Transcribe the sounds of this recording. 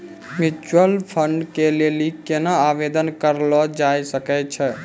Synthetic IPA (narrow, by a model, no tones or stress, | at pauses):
mit͡ʃwəlpʰəɳɖkelelikenaabed̪ənkəɾlɔd͡ʒajsəkɛt͡ʃʰɛ